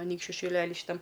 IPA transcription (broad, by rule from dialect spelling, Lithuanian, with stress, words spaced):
ɐˈnʲiːkʃʲt͡ʃʲʊ ʃʲɪˈlʲæːlʲiː ʃʲiːˈtɐm